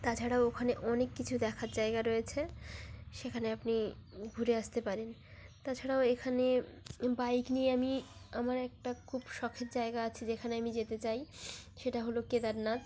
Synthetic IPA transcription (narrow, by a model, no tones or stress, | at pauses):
t̪at͡ɕʰaɽaookʰaneʔɔnekːit͡ɕʰud̪ɛkʰaɾd͡ʑaeɡaɾojet͡ɕʰe | ʃekʰaneapniɡʱuɾeaʃt̪epaɾent̪at͡ɕʰaɽaoekʰanebajknieamiamaɾɛk̚ʈakʰubʃɔkʰet̪d͡ʑaeɡaat͡ɕʰed͡ʑekʰaneamid͡ʑet̪et͡ɕajʃeʈaɦoloked̪aɾnat̪